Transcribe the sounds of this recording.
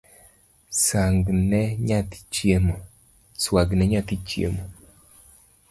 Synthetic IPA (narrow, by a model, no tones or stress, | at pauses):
saŋɡnɛɲat̪i̥t͡ʃjemo | swaɡnɛɲat̪it͡ʃjḛmo